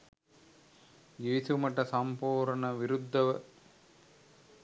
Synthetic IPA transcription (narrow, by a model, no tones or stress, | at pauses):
jeːsumɐʈːɐsɐmpoːɾɐɳɐʋɪɾud̪ʱːɐʋɐ